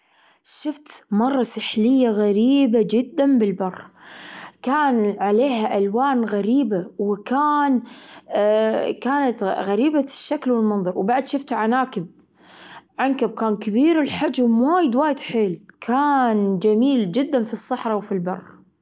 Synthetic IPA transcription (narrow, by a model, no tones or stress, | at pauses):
ʃɪft̪mɑrˤːɑsɪħlɪjːaɣaɾiːbad͡ʒɪd̪ːanbɪlbɑrˤː | kaːnʕaleːhaʔalwaːnɣaɾiːbawɪkaːn | kaːnat̪ɣaɾiːbaʃːaklwɪlmɑnðˤɑɾˤwbaʕd̪ʃɪft̪ʕanaːkɪb̚ | ʕankab̚kaːnkabiːɾɪlħad͡ʒmwaːjɪd̪waːjɪd̪ħeːlkʰaːnd͡ʒamiːld͡ʒɪd̪ːanfisˤːɑħɾˤɑwfilbɑ̰rˤː